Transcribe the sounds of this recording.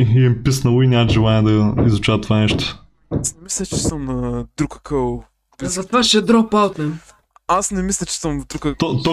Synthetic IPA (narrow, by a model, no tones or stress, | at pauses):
iɛmpisnɐlˠoinʲamət̪ʒɛlˠanɛd̪ɐizʊt͡ʃavət̪vanɛʃt̪ʊ̥ | asnɛmislʲɐt͡ʃɛsəmnɐd̪ɾukɐ̥kʰəw | biɐt̪vaʃɛd̪ɾɔpawt̪nɛ | asnɛmislʲɐt͡ʃɛ̥səmvd̪ɾukəɔt̪ɔ